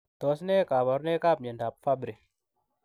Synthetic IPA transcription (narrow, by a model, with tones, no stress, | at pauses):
to˨˦sne˦ka˨βa˨˦ɾne˦ka˦˨pɲe˨nda˨p̚fa˦bɾi˨